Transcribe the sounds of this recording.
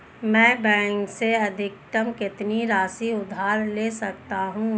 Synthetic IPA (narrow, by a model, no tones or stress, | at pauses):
mɛ̃ːbɛ̃ːŋkseɐd̪ʱɪk̚t̪əmkɪt̪niɾaːsiʊd̪ʱaːɾleːsɐkt̪aɦũː